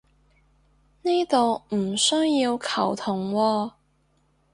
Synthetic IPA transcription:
niː˥t̪o˨wm̩˨˩sɵ˥ŋji˧wkʰɐ˨˩wt̪ʰʊ˨˩ŋwɔː˧

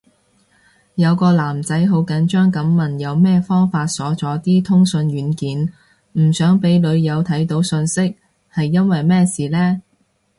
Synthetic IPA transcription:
jɐ˨˧wkɔː˧laː˨˩mt͡sɐ˨˥jɦo˨˧wkɐ˨˥nt͡ʃœː˥ŋkɐ˨˧˥mːɐ˨˩njɐ˨˧wmɛː˥fɔː˥ŋfaː˧t̚sɔː˨˥t͡sɔː˨˥t̪iː˥t̪ʰʊ˥ŋsɵ˧nɥyː˨˧˥nkiː˨˥n | m̩˨˩sœː˨˥ŋpe˨˧˥jlɵ˨˧ɥjɐ˨˧wt̪ʰɐ˨˥jt̪o˨˧˥wsɵ˧nsɪ˥k̚ | hɐ˨jːɐ˥nwɐ˨jmɛː˥siː˨˩lɛː˥

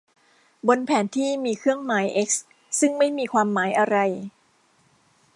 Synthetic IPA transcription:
bo˧npʰɛː˩˦nt̪ʰiː˥˩miː˧kʰɯ˥˩əŋmaː˩˦jʔe˦˥k̚s | sɯ˥˩ŋma˥˩jmiː˧kʰwaː˧mːaː˩˦jʔa˧ɾa˧j

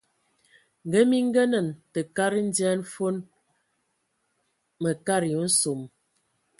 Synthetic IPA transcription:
ŋ̩˨ɡə˦mi˦ŋ̩˦ɡə˦nə˨ntə˨ka˦ɾi˦n̩˦djɛ˦n̩˦fo˦n | mə˨ka˦ɾi˨o˨˦n̩˦so˨m

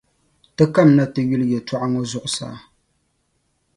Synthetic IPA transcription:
tɨ˦ka˦˨mna˦tɨ˨ɥu˦ljɛ˨twa˦ʔa˦ŋo˦zʊ˦ʔʊ˨sa̰ː˨˦

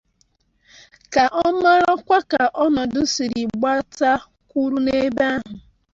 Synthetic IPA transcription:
ka˨ʔɔ˦ma˦ɾɔ˦kʷa˦ka˨ʔɔ˦nɔ˨dʊ˦si˨ɾi˨ɡ͡ba˦ta˦ | kʷu˦ɾu˦ne˦ba˦ɦʊ˨

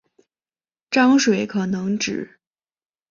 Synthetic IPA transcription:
ʈ͡ʂɑ˥ŋʂwe˨˩ɪkʰɤ˨˩nɤ˧˥ŋʈ͡ʂɻ̩˨˩˦

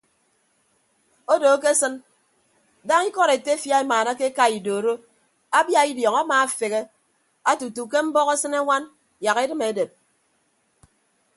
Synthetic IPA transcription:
o˦doː˨˦ke˦sɨ˦n | da˦ŋi˦kɔ˦ɾe˨te˦fja˦e˦maː˨na˦ke˦ka˦i˨doː˨ɾo˦ | a˦bja˦i˦djɔ˨ŋa˦maː˨a˨fe˨ɣe˦ | a˦tu˨tu˨ke˦m̩˦bɔ˦ɣe˦sɨ˦ne˦ŋʷa˦n | ja˨ɣe˦dɨ˦me˨˦de˨p̚

